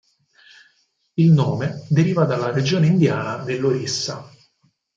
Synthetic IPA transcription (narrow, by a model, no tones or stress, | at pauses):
ilnoːmed̪eɾiːvad̪alːaɾed͡ʒoːneind̪jaːnad̪elːoɾisːa̰